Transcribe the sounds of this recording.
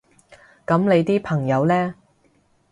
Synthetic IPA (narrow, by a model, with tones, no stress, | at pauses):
kɐ˨˥mle˨˧jt̪iː˥pʰɐ˨˩ŋjɐ˨˧wlɛː˥